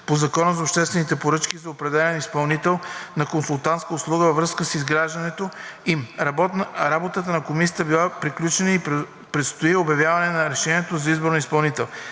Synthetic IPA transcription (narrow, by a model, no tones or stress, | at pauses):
pozɐkɔnəzopʃt̪ɛst̪vɛnit̪ɛpoɾɤt͡ʃkʲizɐopɾɛd̪ɛlɛlɛnispɐlˠnit̪ɛlˠnɐkonsulˠt̪ãnt̪skəʊslˠuɡəvɐvɾɤskəsizɡɾaʒd̪ɐnɛt̪oimabɔɾabot̪ət̪ənɐkomisijət̪əbilˠapɾiklʲut͡ʃɛnəi | pɾɛt̪st̪oiobjɐvjavɐnɛnɐɾɛʃɛnʲiɛt̪ozɐizboɾnoispɐlˠnit̪ɛlˠ